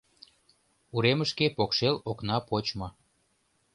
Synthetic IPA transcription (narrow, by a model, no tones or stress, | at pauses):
uɾeməʃkepokʃeloknɑpot͡ɕmɤ